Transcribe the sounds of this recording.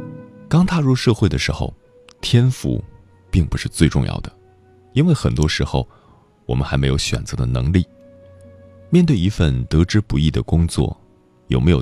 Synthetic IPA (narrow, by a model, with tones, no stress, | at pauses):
kɑ˥ŋt̪ʰa˥˧ɻu˥˧ʂɤ˥˧xwe˥˩ɪd̪ə˩ʂɻ̩˧˥xo̰˧ʊ | t̪ʰjɛ˥nfṵ˧˩ | pi˥˩˧ŋpu˧˥ʂɻ̩˥˧t͡swe˥˧ɪʈ͡ʂʊ˥˧ŋjɑ̰˥˩ʊd̪ə˩ | i˥nwe˥˩ɪxə˨˩nt̪wɔ˥ʂɻ̩˧˥xo˥˧ʊ | wɔ˨˩mə˦nxa˧˥ɪme˧˥ɪjo˧˥ʊɕɥɛ̰˨˩nt͡sɤ˧˥d̪ə˧nɤ̰˧˥ŋli˥˩ | mjɛ˥˧nt̪we˥˩ɪi˧˥fə˥˩nt̪ɤ˧˥ʈ͡ʂɻ̩˥pu˧˥i˥˩d̪ə̰˩kʊ˥ŋt͡swɔ̰˥˩ | jo˨˩ʊme˧˥ɪjo˨˩